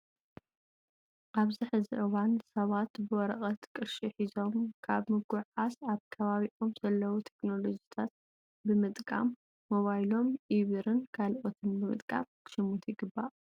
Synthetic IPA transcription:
ʔaβziħɨziʔɨwansɐβat̪bɨwɔɾɐχʼɐt̪kʼɨʃɨħizo̞mkʰaβmɨɡuʕasaβkʰɐβaβiʔo̞mzɐlːɐwut̪ʰekno̞lo̞d͡ʒit̪ʰat̪̚ | bɨmɨt̪ʼkʼa̰mː | o̞βajlo̞mʔiβɨɾɨnkʰalʔo̞t̪ʰɨnbɨmɨt̪ʼkʼa̰mkʰɨ̥ʃɨmut̪jɪɡɨbːaʔ

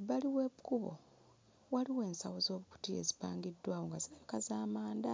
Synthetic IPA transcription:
βaliwe̞βukuβo̞̰ | waliwe̞ːnsawozo̞ːβuku̥tie̞̰zipa̰ːŋɡidːwaːwoŋɡaziekazaːmaːnda

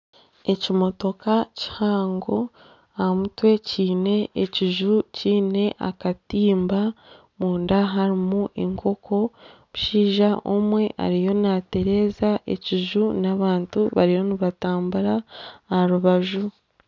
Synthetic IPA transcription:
e̞cimo̞to̞kaci̥haːŋɡo̞ | amutwe̞ciːne̞ːciʒuciːne̞ʔa̰katiːmba | muːndaɦaɾimuʔeŋkʰo̞kʰo̞βuʃiːʒaʔomwe̞ʔa̰ɾijo̞nate̞ɾe̞ːzaʔe̞̰ciʒunaβaːntuβaɾijo̞niβataːmbuɾaːaɾuβaʒu

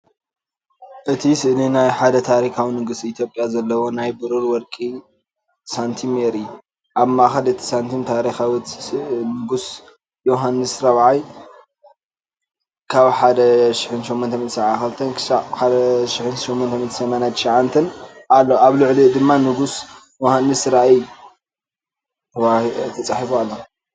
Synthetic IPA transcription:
ʔɨt̪ʰisɨʔlinajħad̪ɐt̪ʰaɾikʰawinɨɡusit̪ʰjo̞pʼjazɐlːɐwonajbɨɾɨɾwɔɾkʼi | sant̪ʰimeɾi | ʔaβmaʔxɐlɨt̪ʰi̥sant̪ʰimt̪ʰaɾixawit̪nɨɡus | joɦanːɨsɾɐβʕaj | kʰaβħad̪ɐʃɪħɨnʃomːɔnt̪ʰɐmit̪sɐβʕaxɨlt̪ʰɐnkʰʃaħad̪ɐʃɪħɨnʃomːɔnt̪ɐmit̪sɐmanat̪ʰʃaʕant̪ʰɐnʔalːoaβlʊʕlid̪ɨmːanɨɡus | johanːɨsɾaʔij | wat̪ʰɐt͡sʼaħifoalːo

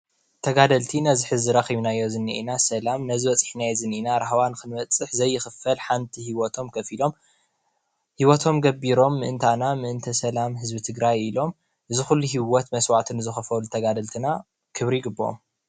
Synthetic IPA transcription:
t̪ʰɐɡad̪ɐlt̪ʰinɐziħɨzɨɾɐxiβnajːo̞zɨnːiʔinasɐlamnɐzɨβɐt͡sʼɨ̥ħnajzɨninaɾaɦɐwankɨnmɐt͡sʼɨħzɐjːɪxɨfɐlħant̪ʰihiwɔt̪ʰomkʰɐfilo̞m | hiwɔt̪ʰo̞mɡɐbiɾo̞mːɨʔɨnt̪ʰanamɨʔɨnt̪ʰɐsɐlamɦɨzbit̪ʰɨɡɾajilo̞m | ʔɨzɨxulːuɦiwɔt̪mɐswat̪ʰɨnɨzɨxɐfɐlut̪ʰɐɡad̪ɐlt̪ʰɨna | kʰɨβɾiɡɨbːɐʔo̰m

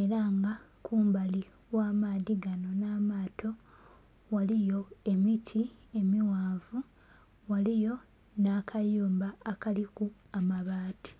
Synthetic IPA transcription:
e̞ɾaŋɡa | kʰuːmbali | waːmaːðiɡano̞naːmaːtʰo̞ | walijo̞e̞mitʰie̞miwaːvu | walijo̞ | naːkʰajuːmbaːkaliku | amaβaːti̥

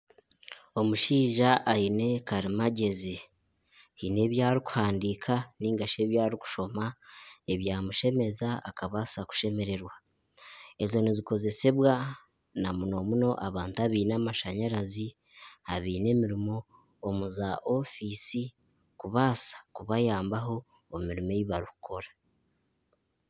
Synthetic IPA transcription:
o̞muʃiːʒaʔaine̞kaɾimaɟe̞zi | hine̞ːβjaːɾiku̥haːndikʰaniːŋɡaʃe̞ːβjaːɾiku̥ʃo̞mae̞βjaːmuʃe̞me̞zaakaβasaku̥ʃe̞me̞ɾe̞ɾwa | e̞zo̞niziko̞ze̞se̞βwa | namuno̞muno̞ʔaβaːntuaβiːnamaʃaɲaɾazi | haβiːne̞ːmiɾimo̞ː | muzaʔo̞fisi | kuβasḁkuβajaːmbaɦo̞ː | miɾimeβiβaɾiku̥kʰo̞ɾḁ

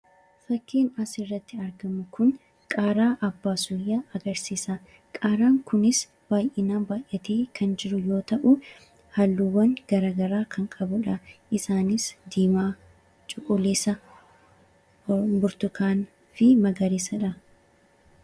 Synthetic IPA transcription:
fɐkʰːiːnɐsɪrːɐt̪ːɪɐɾɡɐmʊkʊŋ | kʼaːɾaːʔɐbːaːsʊjːɐɐɡɐɾsiːsɐ | kʼaːɾaːŋkʊnɪs | b̥aːjʔɪnaːnbaːjʔɐt̪eːkʰɐnd͡ʒɪɾʊjo̞ːt̪ɐʔʊ | hɐlːuwːɐŋɡ̥ɐɾaːɡɐɾaːkʰɐŋkʼɐbʊᶑɐʔɪsaːnɪsd̪iːmaː | t͡ʃʼʊkʼʊleːsɐ | bʊɾt̪ʊkaːn | fɪmɐɡɐɾiːsɐᶑɐ

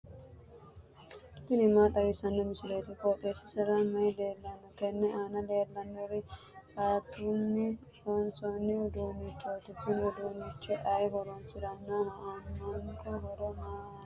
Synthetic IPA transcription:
t̪ɪnɪmaːt̪ʼɐwɪsɐnːɔmɪsɪleːt̪ɪkoːt̪ʼesɪsɪɾamɐjɛleːlːɐnːɔt̪ɛnːɛaːnɐleːlːɐnːɔɾɪ | saːt̪uːnːɪ | ɔnsɔnːɪʊd̪uːmɪt͡ʃːoːt̪ɪkːɪnʊd̪uːmɪt͡ʃːɛʔɐjɦɔɾonsɪd̪ɐnːahɐanːɐŋkɔhɔɾɔmaː

